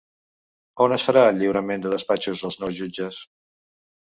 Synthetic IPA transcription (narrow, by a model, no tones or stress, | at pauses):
onəsfəɾaəʎːiwɾəmend̪əðəspat͡ʃuzðəlˠznɔwzʒud͡ʒəs